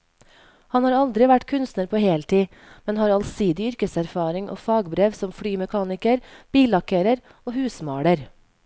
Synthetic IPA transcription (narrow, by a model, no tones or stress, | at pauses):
hɑnhɑːɾɑld̪ɾɪʋæʈkʰʉnst̪nəɾpʰoːheːlt̪ʰiː | mɛnhɑːɾɑlsiːd̪ɪʏɾkəsæɾfɑːɾɪŋʔo̰ːfɑːɡbɾeːʋsɔmfɽyːmɛkʰɑːnɪkəɾb̥iːlɑkəɾəɾ | oːhʉːsmɑ̰ːɽəɾ